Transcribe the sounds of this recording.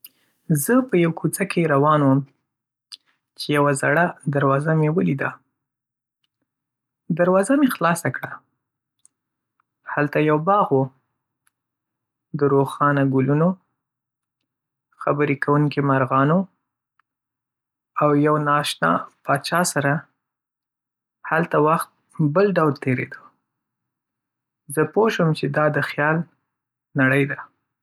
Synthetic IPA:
zəpəjawkʰut͡sakʰeɾawɑnwəm | t͡ʃejawazaɽad̪aɾwɑzamewəlid̪a | d̪aɾwɑzamexlɑsakɽa | halt̪ajawbɑɣwo | d̪əɾoxɑnaɡʊluno | xabəɾikawuŋkimaɾɣɑno | awjawnɑʃnɑ̰pɑt͡ʃɑsaɾa | halt̪awaxt̪̚ | bəlɖawlt̪eɾḛd̪ə | zəpoʃəmt͡ʃed̪ɑd̪əxjɑl | naɽəjd̪a

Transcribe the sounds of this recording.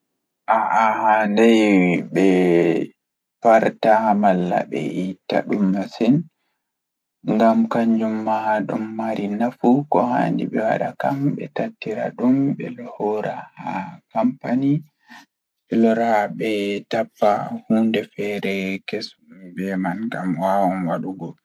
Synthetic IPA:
ʔaʔahandɛjbɛ | paɾtamalːa̰ɓɛ̰ʔitːa̰ɗumːasɛn | ŋɡamkaɲd͡ʒumːahaɗumːaɾinafukɔha̰ndḭɓɛwa̰ɗakambɛ̰tatːiɾa̰ɗumbɛlɔhɔɾahakampani | ɓɛlɔɾaɓɛtapːahuːndɛfɛɾɛkes | bɛmanɡamwawɔnwaɗuɡɔ

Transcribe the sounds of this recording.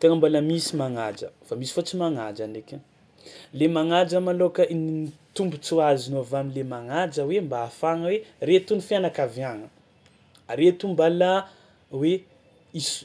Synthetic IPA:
t̪eŋəmbaləmisimaŋad͡ʒə̰famisi̥fat͡simaŋad͡ʒanekʲa | lemaŋad͡ʒəmalokəʔinnt̪umbut͡suazinoavamilemaŋad͡ʒəwembaːfaŋəweret̪unifianakavjaŋə | ɾet̪umbala | we | is

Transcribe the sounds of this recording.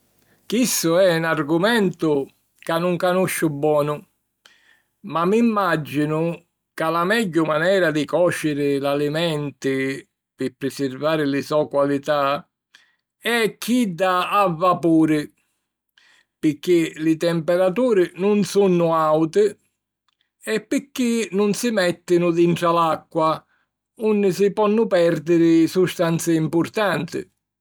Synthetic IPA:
kistʊɛunarɡʊmɛnt̪ʊ | kanːʊŋkanuʃːʊbːwɔːnʊ | mamːimːad͡ʒːinʊ | kalamɛɟːʊmanɛːɾad̪ɪkɔːt͡ʃːɪɾɪlalimɛnt̪ɪ | pɪpɾɪsɪrvaːɾɪlɪsɔkwalit̪a | ɛkʰːid̪aːvːapuːɾɪ | pɪkːɪlɪt̪ɛmpɛɾat̪̬uːɾɪnʊnsunːʊawt̪ɪ | ɛpːɪkːɪnʊnsɪmɛt̪ːɪnʊd̪iɳʈɾalakːwa | unːɪsɪpɔnːʊpɛɾd̪ɪɾɪsust̪ant̪sɪimpʊɾt̪ant̪ɪ̰

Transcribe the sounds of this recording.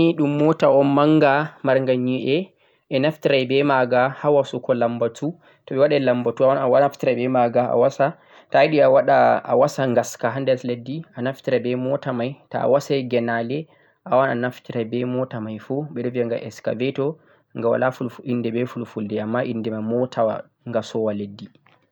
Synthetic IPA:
iɗumːɔtaɔmmaŋɡamaɾŋɡaɲiʔɛ | ʔɛnaftiɾajbɛmaɡahawasukɔlambatu | tɔɓɛwaɗalambatuawanawaaftiɾajbɛmaɡaa̰wasa | tajɗiawaɗaa̰wasaŋɡaskaɦandɛsledːianaftiɾabɛmɔtamajta̰a̰wasajɡɛnalɛ | ʔawananaftiɾajbɛmɔtamajfɔɓɛɗɔviaŋɡa̰ʔɛska̰vɛtɔ | ŋɡawa̰lafulindɛbɛfulfuldɛamːaʔindɛmajmɔtʰawa̰ | ŋɡasɔwaledːi

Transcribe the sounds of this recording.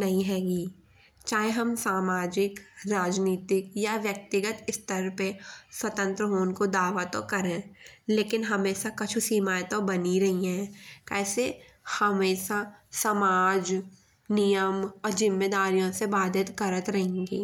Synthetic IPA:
nɐɦĩɦɛːɡiː | t͡ʃaːɦeɦɐmsaːmaːd͡ʒɪkɾaːd͡ʒniːt̪ɪkjaʋjɐk̚t̪ɪɡət̪ɪst̪əɾpeswɐt̪ə̃nt̪ɾəɦoːnkod̪aːʋat̪o̰kɐɾẽːleːkɪnɦɐmeːʃakɐt͡ʃʰusiːmaːjt̪obɐniɾɐɦiɦɛ̃kɛːse | hɐmeːʃasɐmaːd͡ʒ | nijəmɔːɾd͡ʒɪ̃mːeːd̪aːɾijõsebaːd̪ʱɪt̪kɐɾət̪ɾɐɦẽːŋɡḛː

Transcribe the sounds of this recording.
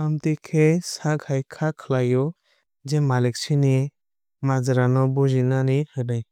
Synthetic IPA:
amtikʰesaɡʰʱajkʰakʰlajɔ | d͡ʒɛmalik̚sini | mazaɾanɔbɔzinanihɯnaj

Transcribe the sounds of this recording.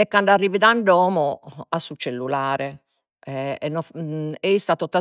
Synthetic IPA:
ɛkːaɳɖarːiːviðaɳɖɔːmɔasːut͡ʃːelːulaːɾɛ | ɛɛnːɔɛist̪at̪ɔt̪ːa

